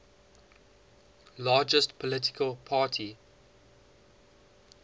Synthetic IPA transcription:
lɑːd͡ʒəstpʰɔlɪtɪ̥kʰəlˠpʰɑːˑtʰi

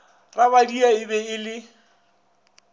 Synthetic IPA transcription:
raβadiaɪbɛɪlɪ

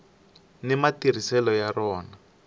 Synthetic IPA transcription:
nɛmatiɾ̤isɛlɔjarɔːna

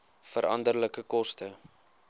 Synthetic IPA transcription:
fəɾɐ̰ndərləkəkɔstə

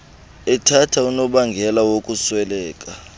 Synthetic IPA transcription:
ɛtʰatʰaunɔɓaŋɡʱɛlawokʼuswɛlɛːkʼa

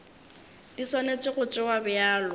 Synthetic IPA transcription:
d̥iswanet͡sʼɪɣʊt͡ʃʼɪwabɪaːlʊ

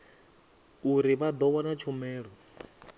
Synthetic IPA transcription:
uɾiβad̪ɔwanat͡ʃʰumɛːɺɔ

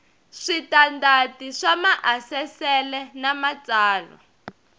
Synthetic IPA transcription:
ʂitandatiʂamaʔasɛsɛlɛnamat͡saːlɔ̰

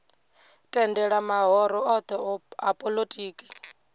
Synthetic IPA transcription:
tʼɛndɛɺamaɦɔɾɔɔt̪ʰɔapʼolotʼiːkʼi̥

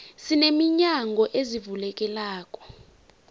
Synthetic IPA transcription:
sinemiɲaŋɡʱɔʔezivulɛk̬ʼɛlaːkʼɔ̥

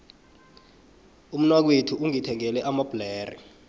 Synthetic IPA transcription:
um̩nwak̬wetʰuʔuŋitʰɛŋɛlɛʔamab̥lɛːrḭ

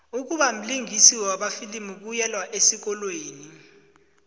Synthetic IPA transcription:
uk̬uɓam̩liŋʱisiwɛwaɓafilimuk̬ujɛlwaʔesik̬ɔlweːni

